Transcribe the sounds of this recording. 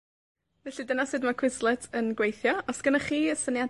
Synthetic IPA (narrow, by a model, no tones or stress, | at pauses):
vɛɬidənasɨːdmakʰwɪzlˠɛtʰənɡwejθjɔɔsɡ̥ənaχiːəsənja